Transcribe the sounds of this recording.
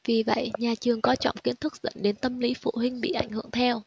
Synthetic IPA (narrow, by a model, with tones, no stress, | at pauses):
vi˨˩və̰˧˨jɲaː˨˩t͡ɕɨ˨˩əŋkɔ˨˦t͡ɕɔ̰˧˨wŋ͡mki˨˦ənt̪ʰɨ˦˥k̚zḭ˧˥ŋɗe˨˦nt̪ə˧mli˨˦fṵ˧˨hï˧ŋ̟ɓḭ˧˨ʔa˧˩jŋhɨ̰˧˨əŋt̪ʰɛ˧w